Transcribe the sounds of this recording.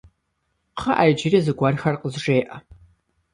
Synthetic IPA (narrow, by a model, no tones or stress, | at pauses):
qʰɐʔaːjd͡ʒɪrizɨɡʷɐrxɐrqəzʂʼeːʔɐ